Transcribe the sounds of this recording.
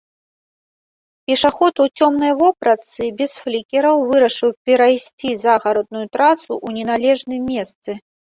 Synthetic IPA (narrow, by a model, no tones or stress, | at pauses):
pʲɛʂaxɔt̪ut͡sʲɔmnɐjvɔpɾɐt̪sɨbʲɛsflʲikʲɛɾɐwvɨɾɐʂɨwpʲɛɾajsʲt͡sʲizaɣaɾɔd̪̚nujut̪ɾasuʔunʲɛnalʲɛʐnɨmʲːɛst̪sɨ